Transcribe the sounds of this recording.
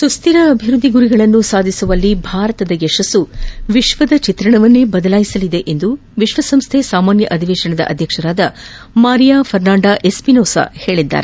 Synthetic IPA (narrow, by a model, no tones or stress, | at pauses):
sust̪iɾɐːbʱiɾud̪ʱːiɡuɾiɡɐɭɐnːusaːd̪ʱisuʋɐlːibʱaːɾɐt̪ɐd̪ɐeʂɐsuʋiʃʋɐd̪ɐt͡ʃit̪ɾɐɳɐʋɐnːebɐd̪ɐlaːjisɐlid̪e̞ʔend̪u | ʋiʃʋɐsɐmst̪ʰesaːmaːnjɐ̰ʔɐd̪ʱiʋeːʃɐɳɐd̪ɐ̰ʔɐ̰d̪ʱjɐkʂɐɾaːd̪ɐ | maːɾijaːfʰɐɾnaːɳɖaːʔe̞spinoːsa̰he̞ːɭid̪ːa̰ːɾe